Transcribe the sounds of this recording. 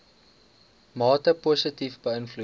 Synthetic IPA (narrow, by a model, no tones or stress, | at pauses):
mɑːtəposətifbəənflu